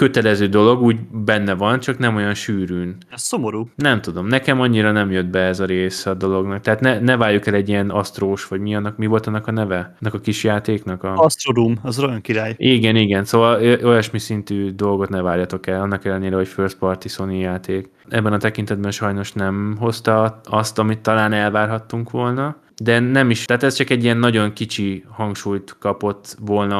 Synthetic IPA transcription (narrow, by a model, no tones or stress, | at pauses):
kø̞t̪ɛlɛzøːd̪o̞lo̞ɡuːɟbɛnːɛvɒnt͡ʃɒknɛmo̞jɒnʃyːɾyːn | ɛssomoɾuːnɛmt̪ud̪o̞mnɛkɛmɒɲːiɾɒnɛmjød̪̚bɛɛzɒɾeːsɛɒd̪o̞lo̞ɡnɒk̚t̪ɛɦaːt̪nɛnɛvaːɾjukɛlɛɟːijɛnɒst̪roːʃʋɒɟmiɒnːɒkmivo̞lt̪ɒnːɒkɒnɛvɛnːɒkɒkiʃjaːt̪eːknɒkɒɒst̪ɾodumɒzrojɒŋkiɾaːjiːɡɛniɡɛnsoːvɒlʔo̞jɒʃmisint̪yːd̪o̞lɡo̞t̪nɛvaːrjɒt̪o̞kɛlɒnːɒkɛlːɛneːɾɛho̞cførspɒrt̪isonijaːt̪eːk | ɛbːɛnɒt̪ɛkint̪ɛd̪̚bɛnʃɒjno̞ʃnɛmɦo̞st̪ɒɒst̪ɒmit̪ːɒlaːnɛlvaːrɦɒt̪ːuŋkʋo̞lnɒ | d̪ɛnɛmiʃt̪ɛːt̪ɛst͡ʃɒkɛɟːiɛnːɒɟo̞ŋkit͡ʃihɒŋkʃuːjt̪kɒpo̞t̪ːʋo̞lnɒ